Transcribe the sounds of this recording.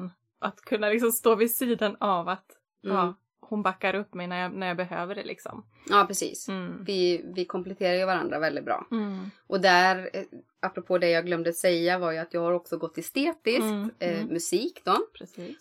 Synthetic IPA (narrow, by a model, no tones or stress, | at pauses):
n | ʔat̪kʰɵnːalɪks̬ɔmst̪oːvɪsiːd̪anavat̪ː | hʊnbakːaɾɵpːmɛjnæɾjanæɾjɑːbɛɦø̰ːvəɖɛ̰lʔɪ̰ksɔ̰m | ɑːpʰɾɛsḭːsvɪvɪkʰɔmplɛt̪ʰeːɾajɵvaɾa̰nd̪ɾavɛlɪt̪̚bɾɑ̰ːʔɔd̪æɾ | apːɾɔpʰoːd̪ɛjɑːɡlœmd̪əasɛjːavaɾjɵat̪jɑːɡhaɾɔksɔɡɔt̪ʰːɪst̪eːt̪ɪskt̪mɵsiːkd̪ɔpʰɾɛsiː